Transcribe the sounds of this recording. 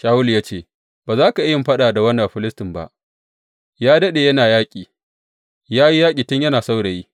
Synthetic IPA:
ʃaː˦wʊ˦ljaː˦t͡ʃeː˦˨ | baː˨zaː˦ka˨ʔɪ˦jɐ˨mɸɐ˦ɗaː˨da˨wɐ˦nːɐ˨ɸɪ˦lɪ˦stɪ˨mba̰˦ʔ | jaː˦dɐ˦ɗeː˨jɐ˦naː˨jaː˦kʲʼiː˨ | jaː˦ji˦jaː˦kʲʼiː˨tʊ˦ɲjɐ˦naː˨sa˦wɽe˨ji˦

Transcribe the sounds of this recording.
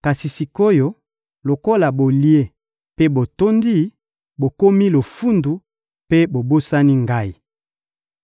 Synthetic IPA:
ka˨si˨si˨ko˦jo˦ | lo˨ko˦la˨bo˨li˦e˦˨ | pe˦bo˨to˦ndi˦˨ | bo˨ko˦mi˦lo˨fu˦ndu˨ | pe˦bo˨bo˦sa˦ni˦ŋɡa˦i˨

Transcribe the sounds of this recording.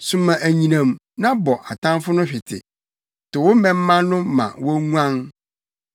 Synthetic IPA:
sũ˦mã˨ʔæ˨ɲĩ˨nã˨m | nã˦bɔ˨ʔa˨tʰã˦mfʊ˦nʊ̃˦ɕᶣɪ˨tʰɪ̰˨ | tʊ˨wʊ˦mɛ̃˦m̩ː˦ã˦nʊ̃˦mã̰˨wɔ˦ŋu˦ã˦n

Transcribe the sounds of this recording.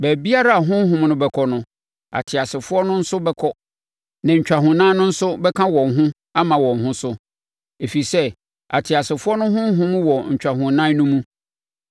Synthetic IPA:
bæ˨bi˦a˦ɾa˦a˨ɦʊ̃˦ɦʊ̃˦m˦nʊ̃˦bɛ˨kʰɔ˨nʊ̃˦ | a̰˨tʰɪ˨a˨sɪ˨fʊ˦ɔ˦nʊ̃˦n̩˦sʊ˦bɛ˦kʰɔ˦ | nã˨ɲ̩˨t͡ɕᶣa˨ɦʊ̃˨nã˦nʊ̃˦n̩˦sʊ˦bɛ˦kʰã˦wɔ̃˨nɦʊ̃˦ | a˦mã˨wɔ̃˨nɦʊ̃˦sʊ˦ | e˨fi˨sɛ˦ | a̰˨tʰɪ˨a˨sɪ˨fʊ˦ɔ˦nʊ̃˦ɦʊ̃˦ɦʊ̃˦m̃˦wɔ˨ɲ̩˨t͡ɕᶣa˨ɦʊ̃˨nã˦nʊ̃˦mũ˦

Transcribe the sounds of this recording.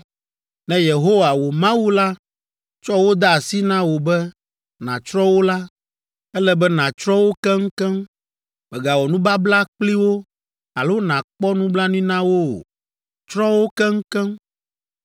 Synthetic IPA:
nɛ̃˨je˨ɦo˦wa˨wo˨mã˦wu˦la˦ | t͡ʃɔ˦wo˦d̪a˦a˨si˦nã˦wo˨bɛ˦ | nã˨t͡ʃɾɔ˦wo˦la˦ | ɛ˦lɛ˦bɛ˦nã˨t͡ʃɾɔ˦wo˦kɛ˦ŋ̩˦kɛ˦m | mɛ˨ɡa˨wɔ˨nũ˦ba˦bla˦k͡pli˦wo˦ | a˨lo˦nã˨k͡pɔ˦nũ˦bla˦ñ˦ĩ˦nã˦wo˦o̰˨ | t͡ʃɾɔ˦wo˦kɛ˦ŋ̩˦kɛ˦m

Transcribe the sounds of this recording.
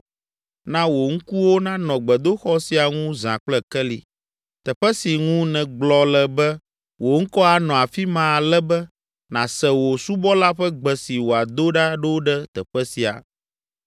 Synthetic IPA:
nã˦wo˨ŋ̩˦ku˦wo˦nã˦nɔ̃˨ɡ͡bɛ˨d̪o˦xɔ˦si˨a˨ŋũ˦zã̰˨k͡plɛ˦kɛ˦lḭ˨ | t̪ɛ˨ɸɛ˦si˨ŋũ˦nɛ̃˨ɡ͡blɔ˨lɛ˨bɛ˦ | wʔo˨ŋ̩˦kɔ˦a˨nɔ̃˨a˨fi˦mã˨lɛ˦bɛ˦ | nã˨sɛ˨wo˨su˦bɔ˦la˦ɸɛ˦ɡ͡bɛ˨si˨wo˨a˨d̪o˦ɖa˦ɖɛ˦wo˦ɖɛ˦t̪ɛ˨ɸɛ˦si˨a̰˨

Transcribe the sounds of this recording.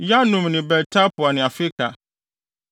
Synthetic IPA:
ja˦nũ˨mnɪ̃˨bɛ˨ɾtʰa˦pʊ˨a˨nɪ̃˨a˨fɪ˦kʰa̰˨

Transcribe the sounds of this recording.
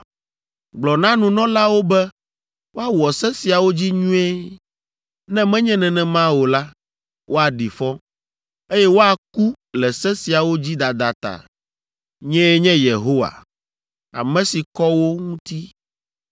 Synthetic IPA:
ɡ͡blɔ˨nã˦nũ˨nɔ̃˦la˦wo˦bɛ˦ | wo˦a˦wɔ˨sɛ̃˦si˨a˨wo˦d͡ʑi˦ɲũ˦ɛ˦ | nɛ̃˦mɛ̃˦ɲɛ̃˦nɛ̃˨nɛ̃˨mã˦wo˨la˦ | wʔo˦a˨ɖi˨fɔ˦ | e˦jɛ˦wo˦a˨ku˦ | lɛ˨sɛ̃˦si˨a˨wo˦d͡ʑi˦d̪a˨d̪a˨t̪a̰˨ | ɲɛ̃˦ɛ˦ɲɛ̃˦je˨ɦo˦wa̰˨ | a̰˨mɛ̃˦si˨kɔ˦wo˦ŋũ˦t̪i˦

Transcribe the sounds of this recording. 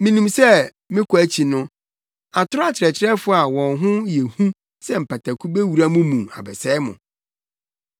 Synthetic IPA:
mĩ˨nĩ˨msɛ˦ | mɪ̃˦kʰɔ˨æ˦t͡ɕʰi˨nʊ̃˦ | a˨tʰʊ˦a˦t͡ɕʰɪ˨ɾɛ˨t͡ɕʰɪ˦ɾɛ˦fʊ˦a˨wɔ̃˨nɦʊ̃˦jɛ˨hũ˦ | sɛ˦m̩˨pʰa˨tʰa˨kʰu˦be˦wu˨ɾa˦mʊ̃˦mũ˨ma̰˨bɛ˨sɛ˦mʊ̰̃˨

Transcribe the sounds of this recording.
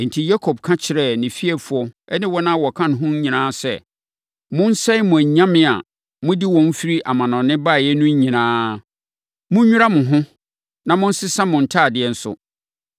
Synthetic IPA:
n̩˨tʰi˨ja˦kʰɔ˨b̚kʰã˦t͡ɕʰɪ˨ɾɛ˦˨nɪ̃˨fi˦ɛ˨fʊ˨˦ɔ˦ɛ˦nɪ̃˦wɔ˦nã˦wɔ˨kʰã˦n˨ɦʊ̃˦ɲĩ˨nãː˦sɛ̰˦˨ | mʊ̃˦n̩˦sɛ˦ɪ˦mʊ̃˨æ˨ɲã˦mɪ̃˨a̰˨ | mʊ̃˦di˦wɔ̃˨n˦fi˦ɾi˦ʔa˨mã˨nɔ̃˨nɪ̃˦ba˦˨jɛ˦nʊ̃˦ɲ˦ɲĩ˨nãː˦ | mʊ̃˦ɲᶣu˦a˦mʊ̃˨ɦʊ̃˦ | nã˨mʊ̃˦n̩˦sɪ˦sã˦mʊ̃˨n̩˨tʰa˦˨dɪ˨˦ɛ˦n̩˦sʊ̰˨

